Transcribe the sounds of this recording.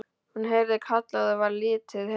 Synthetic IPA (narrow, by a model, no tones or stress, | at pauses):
hunɦejɾðɪkʰat̪laðɪvaɾlɪːt̪ʰɪð